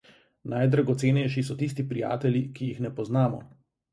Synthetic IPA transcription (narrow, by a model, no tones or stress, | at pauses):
najd̪ɾaɡɔt̪seːnɛjʃisɔt̪is̬t̪ipɾija̰ːt̪ɛljikijixnɛpɔznaːmɔ̰